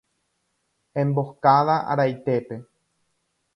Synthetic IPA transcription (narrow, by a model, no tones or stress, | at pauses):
ẽ̞mbo̞kaðaʔa̰ɾajt̪e̞pe̞